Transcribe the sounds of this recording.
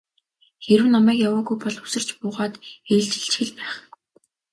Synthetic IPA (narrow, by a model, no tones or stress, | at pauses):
xeɾɘ̆wnamæːkjawaːɣujpɔɮu̥sɘ̆r̥t͡ɕpʊːʁaːt̪eːɮt͡ɕɪ̆ɬt͡ɕxɘ̆ɮpæːχ